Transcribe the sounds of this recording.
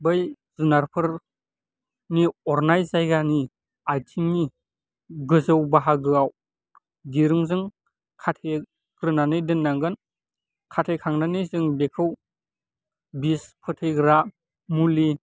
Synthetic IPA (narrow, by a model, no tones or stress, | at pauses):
bɯj | zunaɾpʰɯɾ | niɔɾnajzajɡani | ajtʰiŋni | ɡɯzɯwbaɦaɡɯaw | diɾɯŋzɯŋ | kʰatʰe | ɡ̥ɾɯnanɯjdɯnːaŋɡɯn | kʰatʰejkʰaŋnanɯjzɯŋbekʰɯw | bispʰɯtʰɯjɡɾa | muli